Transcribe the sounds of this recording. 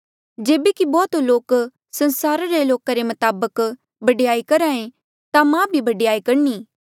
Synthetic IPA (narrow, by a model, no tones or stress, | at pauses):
d͡ʒeːbekibɔːt̪loːk | sɐ̃nsaːɾaɾeloːkaɾemɐt̪aːbək | bɐɖejaːikɐɾaːẽ | t̪amãbʱibɐɖɪjaːikɐɾniː